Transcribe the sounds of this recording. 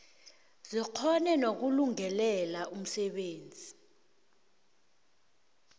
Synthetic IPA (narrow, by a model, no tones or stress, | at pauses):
ziq͡χʰɔnɛnok̬uluŋɛlɛlaʔum̩sɛɓeːnd͡zʱi